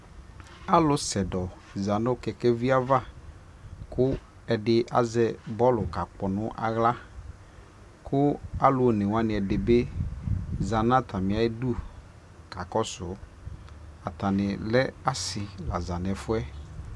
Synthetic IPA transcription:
a˦lʊ˦sɛ˨dɔ˨ | za˨nʊ˦kɛ˨kɛ˦vi˦a˦va˦ | kʊ˦ | ɛ˨dɪ˨ʔa̰˨zɛ˦bɔ˦lʊ˨ka˨k͡pɔ˨nʊ̃˦ʔa̰˨ɣla˦ | kʰʊ˦a˦lʊ˨˦o˨nɪ˨wa˦nɪ̃˨ɛ˨dɪ˨be˦ | za˨n˦ã˦t̪ʰa˨mɪ̃˨a˨e˦du˦ | ka˨kɔ˦sʊ˨˦ | a˨t̪a˨nɪ˨lɛ˦a˦sɪ˨la˨za˨nɛ˨fʊ˦ɛ˦

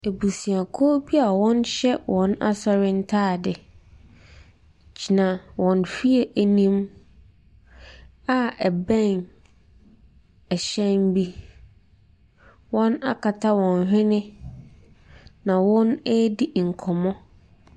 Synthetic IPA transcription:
e˨bu˨si˨a˨kʰɔ˦bi˦a˨wɔ̃˦nɕɛ˦wʔɔ̃˨˦na̰˦sɔ˦ɾɪ˦n̩˦tʰaː˦˨dɪ˨ | d͡ʑʰi˨nã˨wɔ̃˨nfi˦e˨ʔæ˨nĩ˦m | a˨ɛ˨bɛ̃˦˨n | ɛ˨ɕɛ̃˦mbi˦ | wɔ̃˦na˦kʰa˨tʰa˦wɔ̃˨n˨ɦᶣɪ̃˦nɪ̃˦ | nã˨wɔ̃˦nɛ˦di˦ŋ̩˨kʰɔ˨mɔ̃˦

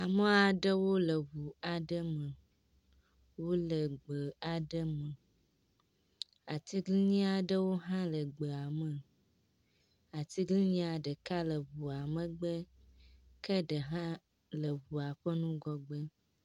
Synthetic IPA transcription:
a˨mə˦a˨ɖə˦wo˦lə˨βu˨a˨ɖə˦mə̃˨ | wo˦lə˨ɡ͡bə˨a˨ɖə˦mə̃˨ | a˨t̪i˦ɡli˦ɲĩ˦a˨ɖə˦wo˦ɦã˦lə˨ɡ͡bə˨a˨mə˨ | a˨t̪i˦ɡli˦ɲĩ˦a˨ɖə˨ka˦lə˨βu˨a˨mə̃˨ɡ͡bə˦ | kə˦ɖə˨ɦã˦ | lə˨βu˨a˨ɸə˦nũ˦ɡɔ˨ɡ͡bə˦

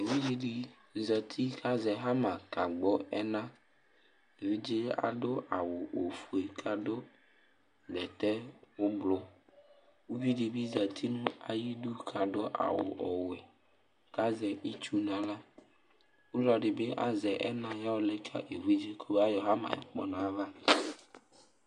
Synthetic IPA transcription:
e˨vi˦d͡ʒi˦ɖi˨ | zɛ˨t̪ʰi˦ka˦zɛ˨ɦa˦mã˨ka˨ɡ͡bɔ˦ɛ˦nã˦ | e˨vi˦d͡ʒe˦a̰˨ɖʊ˦a˨wʊ˨o˨fu˨e˨kʰa˨dʊ˦ | ɡɛ˨t̪ɛ˦wʊ˦blo˦ | wu˦vi˦ɖi˨bi˦zɛ˨t̪ʰi˦nũ˦a˨ji˦du˦kʰa˨ɖʊ˦ʔa̰˨wʊ̰˨ʔɔ˨wɛ˨ | ka˦zɛ˨ʔi˦t͡ʃu˦nã˨la˦ | wu˦lɔ˨ɖɪ˨be˦ʔa̰˦zɛ˨ʔɛ˦nã˦ja˦wo˦lɛ˦kʰa̰˦ʔe˨vi˦d͡ʒe˦kʰo˦be˦a˦jɔ˨ɦa˦mã̰˨ɛ̰˨k͡pɔ˦nã˨˦va˦

